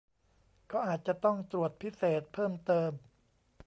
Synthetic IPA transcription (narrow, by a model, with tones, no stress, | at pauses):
kɔː˥˩ʔaː˨˩t̪̚t͡ɕa˨˩t̪ɔ˥˩ŋt̪ɾu˨˩ət̪̚pʰi˦˥seː˨˩t̪̚pʰɤː˥˩mt̪ɤː˧m